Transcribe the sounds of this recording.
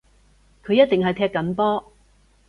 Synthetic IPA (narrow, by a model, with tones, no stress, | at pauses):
kʰɵ˨˧ɥjɐ˥t̚t̪ɪ˨ŋɦɐ˨jt̪ʰɛː˧kːɐ˨˥npɔː˥